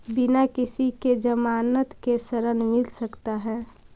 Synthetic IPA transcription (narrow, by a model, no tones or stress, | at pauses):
bɪnakɪsiked͡ʒəmaːnət̪kesəɾənmɪlsəkt̪aɦɛː